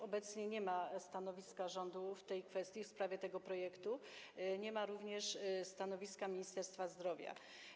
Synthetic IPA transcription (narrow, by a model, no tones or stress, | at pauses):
ɔbɛt̪sɲɛɲɛmast̪anɔvʲiskaʐɔnd̪uft̪ɛjkfɛst̪ʲjifspɾavʲjɛt̪ɛɡɔpɾɔjɛkt̪uɲɛmaɾuvɲɛʂst̪anɔvʲiskamʲiɲist̪ɛɾst̪fazd̪ɾɔvʲja̰